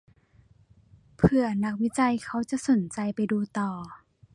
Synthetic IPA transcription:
pʰɯ˧ɐna˧˦˥k̚wi˦˥t͡ɕa˧jkʰa˧˥˩wt͡ɕa˧˨ʔso˨˩˦nt͡ɕa˧jpa˧˨jduː˧t̪ɔː˨˩

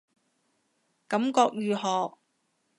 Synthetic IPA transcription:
kɐ˨˧˥mkɔː˧k̚jyː˨˧ɦɔː˨k̚

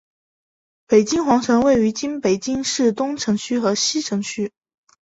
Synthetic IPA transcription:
pe˨˩ɪt͡ɕi˥ŋxwɑ˧˥ŋʈ͡ʂʰɤ˧˥ŋwe˥˩ɪy˧˥t͡ɕi˥npe˨˩ɪt͡ɕi˥ŋʂɻ̩˥˩t̪ʊ˥ŋʈ͡ʂʰɤ˧˥ŋt͡ɕʰy˥xɤ˧˥ɕi˥ʈ͡ʂʰɤ˧˥ŋt͡ɕʰy˥

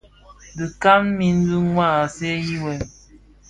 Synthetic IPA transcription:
di˨ka˦mmi˦n̩˦du˦ŋwa˦˨se˦ji˦wɛ˨˦

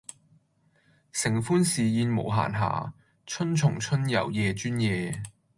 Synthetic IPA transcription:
sɪ˨˩ŋfuː˥nsiː˨jiː˧nmo̰˨˩wɦa̰ː˨˩nɦa̰ː˨˩ | t͡ʃʰɵ˥nt͡ʃʰʊ˨˩ŋt͡ʃʰɵ˥njɐ̰˨˩wjɛː˨˧t͡ʃyː˥njɛː˨˧

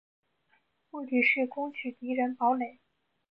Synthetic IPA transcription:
pu˥˩t̪i˨˩ʂɻ̩˥˩kʊ˥ŋt͡ɕʰy˨˩t̪i˧˥ɻə˧˥npɑ˧˥ʊle˨˩ɪ

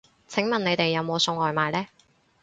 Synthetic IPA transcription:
t͡sʰɪ˨˥ŋmɐ˨ne˨˧jt̪e˨jːɐ˨˧wmo˨˧wsʊ˧ŋɔː˨jmaː˨jlɛː˥

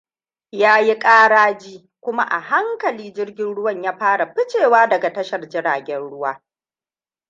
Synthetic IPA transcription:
jaː˦ji˦kʼaː˦ɽaː˦d͡ʒiː˦ | kʷʊ˦ma˦ʔa̰˨ha˦ŋkɐ˨liː˦d͡ʒɪ˦rɡʲɪ˦nɽʊ˦wɐ˦˨ɲjaː˦ɸaː˦ɽa˨ɸɪ˦t͡ʃeː˨waː˦dɐ˨ɡa˨tɐ˦ʃɐ˨rd͡ʒɪ˦ɾaː˨ɡʲɛ˦nɽʊ˦waː˦

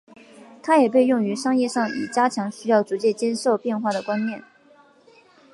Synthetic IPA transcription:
t̪ʰa˥jɛ˨˩pe˥˧ɪjʊ˥˩ŋy˧˥ʂɑ˥ŋjɛ˥˧ʂɑ˥˩ŋḭ˨˩t͡ɕja˥t͡ɕʰjɑ˧˥ŋɕy˥jɑ˥˩ʊt͡su˧˥t͡ɕjɛ˥˩t͡ɕjɛ˥nʂo˥˧ʊpjɛ˥˧nxwa˥˩d̪ə˩kwa˥nnjɛ˥˩n

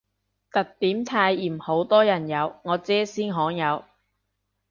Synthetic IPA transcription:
t̪ɐ˨k̚t̪iː˨˥mt̪ʰaː˧jiː˨˩mho˨˥wt̪ɔː˥jɐ˨˩njɐ˨˧wŋɔː˨˧t͡sɛː˥siː˥nɦɔː˨˥ŋjɐ˨˧w

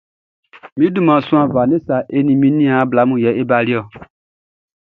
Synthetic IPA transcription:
mĩ˦dũ˦mã˨sũ˦ã˨va˨ne˦sa˨ʔe˦nĩ˨mĩ˦nĩ˦a˨˦bla˨˦mũ˨jɛ˨˦ʔe˦ba˦li˦ɔ˦˨

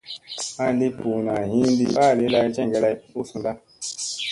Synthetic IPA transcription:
a˦di˦pu˨na˨ɦi˦n˦di˦a˦˨li˨˦la˧˦d͡ʒɛ˦˨ŋ˨ɡɛ˦la˦˧˦u˦su˨n˨da˦

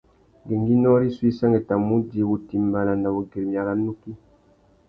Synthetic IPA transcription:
ɡe˨ŋɡi˦nɔ˦ɾi˦swi˦sa˦ŋɡɛ˨ta˨mu˦di˨bu˨ti˨mba˨la˨nda˨bo˨ɡe˨ɾmja˨ɾa˨nu˦ki˦

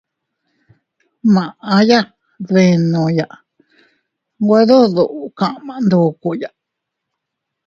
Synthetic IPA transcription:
mã˨ʔã˧ja˦ | ðe˧nũ˧˨ja˨ʔ | ɡʷe˧˦ðu˦ðu˨ʔkã˨ʔmã˨˧nd̪u˧˨ku˧ja˨ʔ

